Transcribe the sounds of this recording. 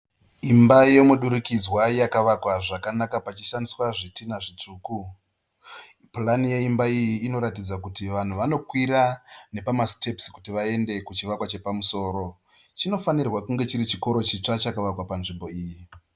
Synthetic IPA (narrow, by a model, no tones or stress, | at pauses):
imbaje̞muɗuɾikid͡zwajakaʋakwaʐakanakapat͡ʃiʃandiswaʐitinaʐit͡ʂuːku | planije̞imbaijiːno̞ɾatid͡zakutiʋan̤uʋano̞kwiɾanepamaste̞psi̥kutiʋae̞nde̞kut͡ʃiʋakwat͡ʃe̞pamuso̞ːɾo̞ | t͡ʃino̞fanirwakuŋɡe̞t͡ʃiɾit͡ʃiko̞ɾo̞t͡ʃit͡ʂat͡ʃakaʋakwapanʐimbo̞iːji